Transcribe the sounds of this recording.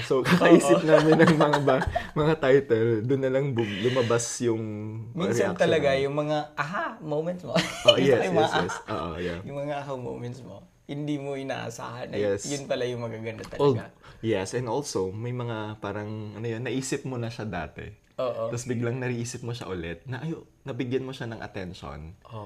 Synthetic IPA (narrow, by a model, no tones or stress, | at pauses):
sokɐkɐʔiːsɪp̚naːmɪnːɐŋmɐŋabamɐŋat̪ajt̪ɛld̪ʊnːɐlɐŋblʊmɐbasjʊŋmĩɾɛʔakt̪ɐlɐɡajʊŋmɐŋaʔɐɦamowmɛnt̪smoojɛjɛsjɛsʔo̰ːʔo̰ja̰jʊŋmɐŋaʔɐɦɐwmo̰wmɛnt̪smo | hɪnd̪imoʔɪna̰ːʔɐ̰sa̰ːhɐnɐjɛsjʊnpɐlajʊŋmɐɡaɡɐnd̪ɐt̪ɐɡajɛsʔɛnd̪o̞lso̞mɐjmɐŋapaːɾɐŋʔɐnʊjo̞nːɐʔiːsɪp̚monɐʃad̪a̰ːt̪ɛ̰ | ʔoːʔot̪ɐsbɪɡlɐŋnɐɾɪʔiːsɪp̚moʃa̰ʔʊlɛt̪̚nɐʔɐjo | nɐbɪɡjanmoʃanɐŋʔɐ̰t̪ɛnʃo̰nʔo